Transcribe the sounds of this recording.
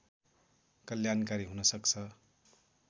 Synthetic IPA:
kʌljankaɾiɦunʌsʌkt͡sʰʌ

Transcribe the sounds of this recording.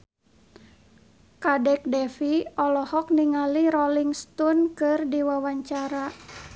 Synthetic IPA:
kadɛk̚dɛfiɔlɔhɔk̚niŋaliɾɔliŋst̪unkɨrdiwawaɲt͡ʃaɾa

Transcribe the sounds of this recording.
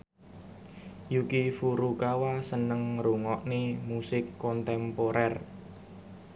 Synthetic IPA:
jukifuɾukawasənəŋɾuŋɔʔnemusɪkːɔnt̪ɛmpoɾɛr

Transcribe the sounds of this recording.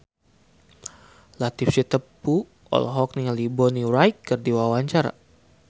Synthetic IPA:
lat̪ifsit̪əpu | ɔ̰lɦɔk̚niŋalibɔniɾajkːɨrdiwawaɲt͡ʃaɾa̰

